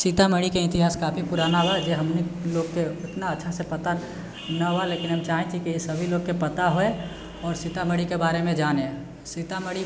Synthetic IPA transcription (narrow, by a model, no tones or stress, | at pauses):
sit̪aməɽikeɪnt̪iɦaːskaːpʰipuɾaːnaɦoad͡ʒeɦəmniloːɡkeʊt̪naətːʃʰasepət̪a | naɦoaleːkɪnɦəmt͡ʃaːɦẽt͡ʃ̪ʰikisəbʱiloːɡ̚kːepət̪aɦoe | ɔːɾsit̪aməɽikebaːɾemẽd͡ʒaːnẽ | sit̪aməɽi